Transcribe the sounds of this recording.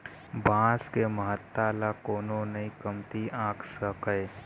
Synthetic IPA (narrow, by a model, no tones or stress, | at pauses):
bãːskeməɦət̪ːaːlakoːnonɐĩkəmt̪iãːksəkəe